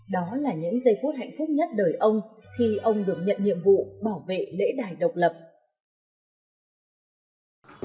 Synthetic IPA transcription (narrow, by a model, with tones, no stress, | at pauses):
ɗɔ˨˦laː˨˩ɲɨ̰˧˥ŋzə˧jfu˦˥t̚ha̰˧˨jŋ̟fʊ˦˥k͡p̚ɲə˦˥t̚ɗəː˨˩jʔə˧wŋ͡mxi˧ʔə˧wŋ͡mɗɨ˨˩ək̚ɲə̰˧˨nɲḭ˧˨əmvṵ˧˨ɓaː˧˩wvḛ˧˨lḛ˧˥ɗaː˨˩jɗə˨˩wk͡p̚lə˨˩p̚